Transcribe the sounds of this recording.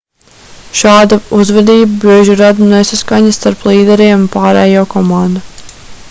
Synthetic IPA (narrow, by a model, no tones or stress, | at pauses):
ʃaːd̪auzvɛd̪iːbabɾiːʒuɾad̪unesaskaɲast̪aɾplˠiːd̪ɛɾiɛmpaːɾɛ̰ːjoːkɔmand̪a